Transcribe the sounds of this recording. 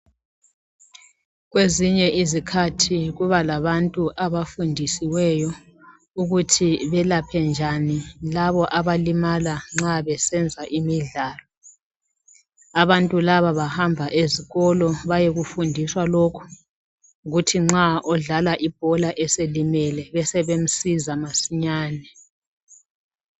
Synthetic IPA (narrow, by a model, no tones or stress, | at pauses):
ɣweziɲɛʔizikʰatʰiɣuβalaβantʼuʔaβafundʱisiwɛjɔ | uɣutʰiβɛlapʰɛnd͡ʒʱanilaβɔʔaβalimalaŋ͡ǁaβɛsɛnd͡zʱaʔimiɮaːlɔ | aβantʼulaβaβahambʱaʔeziɣɔlɔβajeɣufundʱiswalokʰu̥ | ɣutʰiŋ͡ǁaʔɔɮalaʔib̥ʱɔlaʔɛselimɛlɛβɛsɛβem̩sizamasiɲaːnɛ